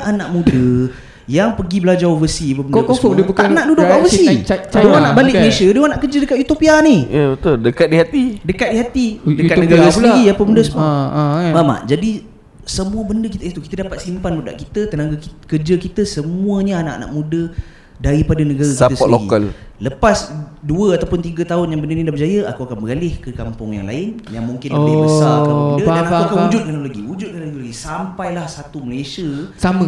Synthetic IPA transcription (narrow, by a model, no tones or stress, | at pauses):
ʔanaʔmũdə | jaŋpəɡibəlad͡ʒawvəsiapəbəndast̪aʔnaʔdudʊʔwaʔvəsidəanabalɪʔknesadə̃anaʔkəd͡ʒədəkat̪jut̪opianijabət̪ʊldəkat̪̚dihat̪idəkat̪̚deɦat̪idəkat̪nəɡaɾasəəijapəbəundəsəm | bama̰ʔd͡ʒadi | səmũəbəndəkit̪əiht̪ukit̪ədapat̪̚simpanuda̰ʔkit̪ət̪ənaɡakərd͡ʒəkit̪əsəmũəɲaana̰ʔa̰na̰ʔmũdə | daɾipadanəɡaɾakiat̪əsəɔloɡikəlləpasduəat̪awpʊnt̪iɡat̪aʊnjaŋbəndənidabəd͡ʒajəakuakanbəɾalɪhkəkampʊŋja̰ŋla̰ɪnjaŋmuŋkɪnəbbəssalamudadanauakanud͡ʒʊt̪̚kanoloɡiwud͡ʒʊt̪̚kanalloɡisampajlahsat̪uməlesiasamə̃